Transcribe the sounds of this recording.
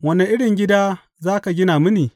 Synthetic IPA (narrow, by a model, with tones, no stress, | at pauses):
wɐ˦ne˨ʔɪ˦ɽɪ˨ŋɡʲɪ˦daː˦ | zaː˦ka˨ɡʲɪ˦naː˨mɪ˦niː˨